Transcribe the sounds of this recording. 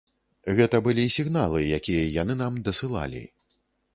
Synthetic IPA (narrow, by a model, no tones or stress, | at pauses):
ɣɛt̪ɐbɨlʲisʲiɣnalˠɨjakʲijɐjanɨnamd̪ɐsɨlˠa̰lʲḭ